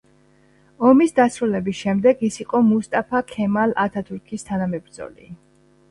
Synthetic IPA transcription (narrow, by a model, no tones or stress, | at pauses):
ɔmisd̪asɾulɛbisʃɛmd̪ɛɡisiqʼɔmust̪ʼapʰakʰɛmalat̪ʰat̪ʰuɾkʰist̪ʰanamɛbɾd̪zɔ̰lḭ